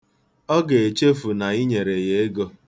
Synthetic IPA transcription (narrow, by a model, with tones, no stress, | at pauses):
ɔ˦ɡe˨e˨t͡ʃe˦fu˨na˨i˦ɲe˨ɾe˨je˨e˦ɡo˦